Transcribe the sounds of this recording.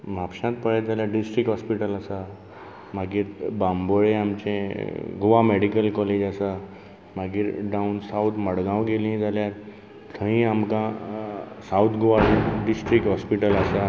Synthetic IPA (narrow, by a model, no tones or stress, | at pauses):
mapɕãt̪̚pəɭɛjt̪̚d͡zʱaljaɖisʈɾikɦɔspiʈəlasa | maɡiːɾbamboɭeamt͡ɕḛ̃ɡuʋamɛɽikəlkɔled͡ʑasa | maɡiːɾɖaunsawt̪ʰməɽɡãʋɡelĩɛ̃d͡zalja | t̪ʰə̃ĩamkã | saut̪ʰɡuʋaɖisʈɾikʈɦɔspiʈəlasa